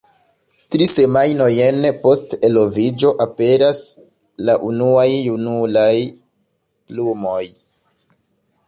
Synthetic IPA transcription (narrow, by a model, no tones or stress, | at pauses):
tɾise̞majno̞je̞npo̞ste̞lo̞vid͡ʒo̞ʔape̞ɾas | laʔunuajːunulaj | plumo̞j